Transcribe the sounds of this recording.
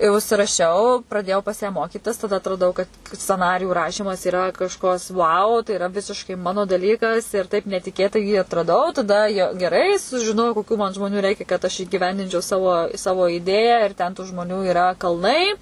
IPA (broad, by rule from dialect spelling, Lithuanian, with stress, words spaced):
ɪ ʊʃʲsʲɪrɐˈʃʲɛʊ prɐˈdʲeːjɛʊ pɐs jæː ˈmoːkʲiːtʲɪs tɐdɐ ɐtrɐˈdɐʊ kɐt sʲt͡sʲɛˈnɑːrʲɪjuː ˈrɑːʃʲiːmɐs iːrɐ kɐʃˈkɐs ʋɐʊ tɐɪ ɪˈrɐ ˈʋʲɪsʲɪʃkɐɪ ˈmɑːnoː dɐˈlʲiːkɐs ɪr ˈtɐɪp nʲɛtʲɪˈkʲeːtɐɪ jiː ɐtrɐˈdɐʊ tɐˈdɐ jɛ ɡʲɛˈrɐɪ sʊʒʲɪˈnoːjɛʊ koːˈkʲuː mɐn ʒmˈoːnʲʊ ˈrʲɛɪkʲɛ kɐt ɐʃ iːɡʲɪˈʋʲɛnʲdʲɪnʲt͡ʃʲɛʊ ˈsɑːʋoː ˈsɑːʋoː ˈɪdʲeːjæː ɪr tʲɛn tuː ʒmoːˈnʲuː ɪˈrɐ kɐlˠˈnɐɪ